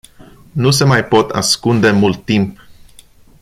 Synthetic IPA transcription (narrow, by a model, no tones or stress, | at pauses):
nus̬e̞majpo̞t̪ʰa̰skund̪e̞mult̪ːimp